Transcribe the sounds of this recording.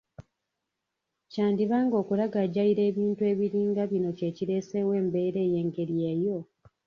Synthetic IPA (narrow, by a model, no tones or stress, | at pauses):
caːndiβaːŋɡo̞ːkulaɡaɟaiɾe̞ːβiːntue̞ːβiɾiːŋɡaβino̞ce̞ːciɾe̞ːse̞we̞ːmbe̞ːɾe̞ːje̞ːŋɡe̞ɾieːjo̞